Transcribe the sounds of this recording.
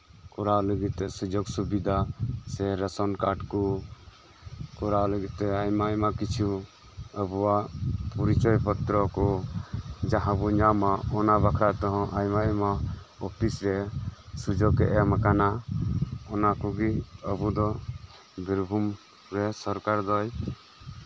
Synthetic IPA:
kɔɾaləɡit̪ːɛsud͡ʒɔɡsubid̪ʱasɛɾəsɔnkaʈkɔ | kɔɾaləɡit̪ːɛajmaɛmakit͡ʃʰu | əbuwapɔɾit͡ʃɔjpɔt̪ɾɔkɔ | d͡ʒaɦãbuɲamaɔnabakʰɾat̪ɔɦɔ̃ʔajmama | ɔpʰisɾɛsud͡ʒɔɡɛʔɛmakana | ɔnakɔɡiəbud̪ɔ | biɾbʱum | ɾɛsɔɾkaɾd̪ɔj

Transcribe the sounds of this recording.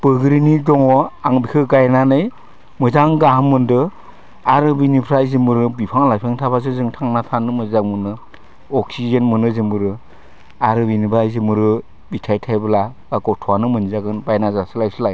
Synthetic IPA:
b̥ɯɡɯɾinidɔŋɔaŋbikʰɯɡajnanɯj | mɯzaŋɡaɦɯmɯndɯ | aɾɯbinipʰɾajzɯmbɯɾɯbipʰaŋlajpʰeŋtʰabaz̬ɯzɯŋtʰaŋnatʰanɯmɯzaŋmɯnɯ | ɔksizɯnmɯnɯzɯmbɯɾɯ | aɾɯbinibajzɯmɯɾɯ | bitʰajtʰajbɯla | ɡakɔtʰɔwanɯmɯnzaɡɯnbajnazasɯlajsɯlaj

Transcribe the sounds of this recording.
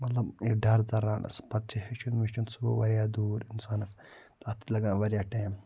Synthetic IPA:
mɐt̪lɐbiɖɐɾd͡zɐɾaːnʔɐ̰spɐt̪̚t͡ʃʰiheʃunmiʃt͡ʃunsuɡo̰ʋɐɾjaːd̪uːɾinsaːnɐs | t̪ɐt̪i̥lɐɡãːnʋɐɾʲjaːʈeːm

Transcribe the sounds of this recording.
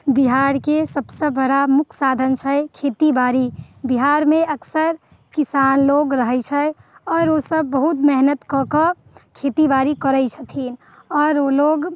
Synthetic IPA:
biɦaːɾkesəbsebəɽamʊkʰsaːd̪ʱənt͡ʃʰəkʰeːt̪ibaːɾibiɦaːɾmẽʔəksəɾ | kisaːnloːɡɾəɦɛt͡ʃʰəɔːɾosəb̚ːəɦut̪mɛɦnət̪kɔkə | kʰeːt̪ibaːɾikəɾəɪt͡ʃʰət̪ʰiːn | ɔːɾoloːɡ

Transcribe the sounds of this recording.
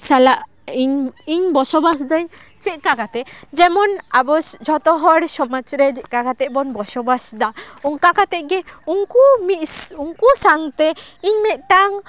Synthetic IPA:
salaʔ | iɲiɲbɔsɔbasd̪ɔj | t͡ʃit̪̚ˀkakat̪ɛd͡ʒɛmɔnabɔsd͡ʒʱɔt̪ɔɦɔɽsɔmat͡ʃɾɛd͡ʒɛt̪̚ˀkakat̪ɛʔbɔnbɔsɔbasd̪aɔŋkakat̪ɛʔ̚ɡɛuŋkumit̪̚suŋkusaŋt̪ɛiɲmɛt̪̚ʈaŋ

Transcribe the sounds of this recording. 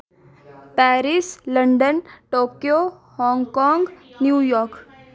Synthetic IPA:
pɛːɾisləɳɖənʈoːkijo | hɔ̃ːŋɡkɔ̃ːŋɡnjuːjɔːɾk

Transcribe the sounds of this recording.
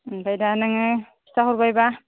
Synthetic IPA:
bajdanaŋɯ | i̥taɦuɾbajba

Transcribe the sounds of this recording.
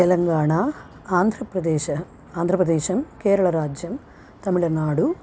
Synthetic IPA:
t̪ɛlɐŋɡaːɳa | aːnd̪ʱɾɐpɾɐd̪ɛːɐ | aːnd̪ʱɾɐpɾɐd̪ɛːʃɐmkeːɾɐɭɐɾaːd͡ʒjɐm | t̪ɐmiɭɐnaːɽu

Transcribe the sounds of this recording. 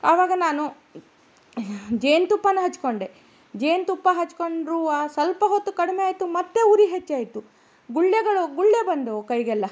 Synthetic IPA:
ɐʋaːɡɐnaːnu | d͡ʒejnt̪upːɐnːuɦɐt͡ʃːko̞ɳɖe | d͡ʒejnt̪upːɐɦɐt͡ʃːkoɳɖɾuːaːsɐlpɐɦot̪ːukɐɽimeaːjt̪umɐt̪ːe̞uɾiɦet͡ʃːaːjit̪u | ɡuɭːeɡɐɭuɡuɭːebɐnd̪okɐjɡɛlːɐ

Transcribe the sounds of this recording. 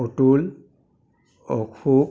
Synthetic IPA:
ɔtul | ɔ̰kʰu

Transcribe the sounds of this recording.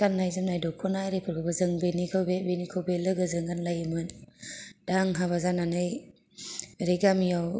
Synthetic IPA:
anːajzɯmnajdɔkʰɔnajɾepʰɯɾɡɯbazɯŋbenikʰɯwbebenikʰɯwbelɯɡɯzɯŋanlajɯmɯn | daŋɦaβazananɯj | ɾeɡamijaw

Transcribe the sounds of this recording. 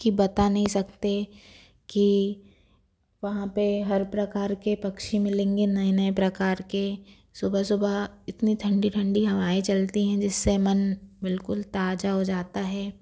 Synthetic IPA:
kibɐt̪anɐɦĩsɐkt̪e | ki | ʋɐɦãpeɦɐɾpɾɐkaːɾkepɐkʃimɪlẽːŋɡenɐĩnəepɾɐkaːɾke | sʊbʱəsʊbaɪt̪nit̪ʰɐ̃ɳɖiʈʰɐ̃ɳɖiɦɐʋaːet͡ʃɐlt̪iɦɛ̃d͡ʒɪsːemɐnbɪlkʊlt̪aːd͡ʒaɦod͡ʒaːt̪aɦɛː

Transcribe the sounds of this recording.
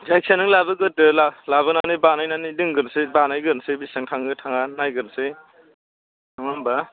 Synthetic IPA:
d͡ʒajk̚sʰanɯŋlabɯɡɯtɯlalaβɯnanibanajnanidɯŋɡɯɾsebanajɡɯɾnsebisɯŋtʰaŋɯtʰaŋanajɡɯɾse | aŋamba

